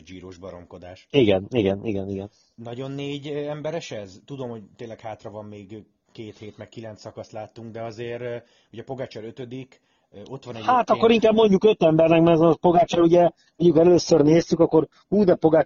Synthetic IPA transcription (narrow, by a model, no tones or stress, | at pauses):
d͡ʒiːɾoːʒbɒɾo̞̰mko̞d̪aːʃiɡɛniɡɛnʔiɡɛniɡɛn | nɒɟo̞nːeːɟɛmbɛɾɛʃɛzt̪ud̪o̞mhoc̚t̪eːnlɛkhaːt̪rɒvɒmːeːɡ | keːt̪heːt̪mɛkkilɛnt̪sɒkɒst̪laːt̪ːuŋɡ̚d̪ɛɒzeːɾ | uɟɛpo̞ɡaːt͡ʃɛɾøt̪ød̪ik | o̞t̪ʋɒnɛhaːt̪ɒkkːo̞ɾiŋkaːbmo̞ɲɟukø̞t̪ɛmbɛrnɛkmɛɛzɛpo̞ɡaːt͡ʃɛɾuɟɛ | moɲɟukɛløːsørneːst̪ykɒkːo̞ɾ | huːd̪ɛpo̞ɡaː